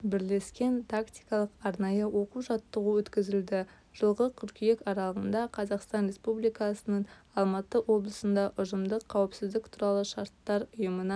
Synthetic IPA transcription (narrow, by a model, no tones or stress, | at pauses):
bɪɾle̞skʲe̞nt̪ʰakt̪ijkɑlˠəqɑɾnɑjəwo̞quʒɑt̪ːəʁuwɵt̪kʲɪzɪld̪ɪ | ʒ̥əlˠʁəkʲʰʏɾkʲijekɑɾɑlˠəʁənd̪ɑqʰɑzɑqst̪ɑnɾe̞spublijkɑsənəɴɑlˠmɑt̪əwo̞blˠəsənd̪ɑʔʊʒəmd̪əqʰːɑwəpsɪzd̪ɪk̚t̪ʰuɾɑlˠəʃɑɾt̪ːɑɾʊjəmənɑ